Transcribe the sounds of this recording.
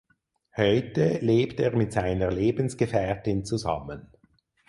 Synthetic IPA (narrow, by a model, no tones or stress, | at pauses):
hɔʏtəleːpteːɐmɪtz̥aɪnəleːbn̩sɡ̥əfɛɐtɪnt͡suza̰mən